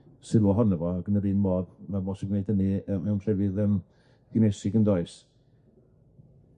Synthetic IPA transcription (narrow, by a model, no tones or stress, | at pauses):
sɪɾwɔɦɔnəvɔaɡənəɾiːnmoːbmabɔːsɡwneɨd̥əniəmɛwnr̥ɛvɪðəm | ɡ̥ɪnejsɪɡəndɔɨs